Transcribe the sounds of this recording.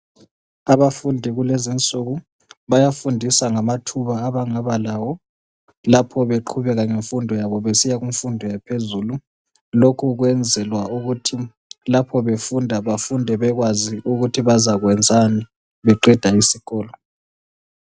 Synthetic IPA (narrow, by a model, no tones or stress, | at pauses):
aβafundʱiɣulezint͡sʼuɣu | βajafundʱisaŋamatʰuβaːβaŋaβalawɔ | lapʰɔβeǃʰuβɛɣaŋeɱfundʱɔjaβɔβesijaɣuɱfundʱɔjapʰezuːlu | lokʰuɣwɛnd͡zʱɛlwauɣutʰi | lapʰɔβefundʱaβafundʱɛβɛɣwaziʔuɣutʰiβazaɣwɛnd͡zʱani | βɛǃɛd̥ʱaisiɣɔːlɔ